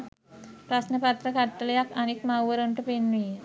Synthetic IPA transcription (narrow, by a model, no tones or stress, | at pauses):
pɾasnəpat̪ɾəkat̪ːəljakanit̪mawʋəɾəɳʈəpenʋi